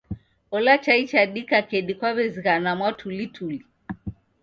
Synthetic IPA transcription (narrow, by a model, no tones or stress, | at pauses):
ɔlat͡ʃait͡ʃaɗikakɛɗikwaβɛzikanamwatʰulitʰuli